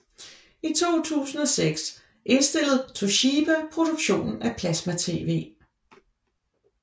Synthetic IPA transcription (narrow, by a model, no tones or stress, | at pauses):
it͡sʰo̝̰ːt͡sʰṵːsn̩ɒ̽seɡ̥s | ʔe̝nsd̥e̝l̰ð̩ˠt͡sʰoɕib̥æpʰʁo̝d̥oɡ̥ɕo̝̰ːnn̩æpʰlæsmæt͡sʰe̝̰ːʋe̝̰ː